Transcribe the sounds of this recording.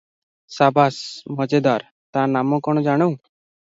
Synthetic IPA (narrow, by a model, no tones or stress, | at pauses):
sabʱasməd͡ʑed̪aɾ | t̪ãnamə̃kɔɳ̃d͡zaɽ̃əw